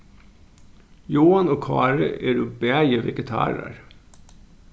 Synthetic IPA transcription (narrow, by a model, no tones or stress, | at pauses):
joːɑnoːkʰɑːɹə̰ʔeːɾoːbəæɪəʋɛɡət̪ʰɑ̰ːɾə̰ɹ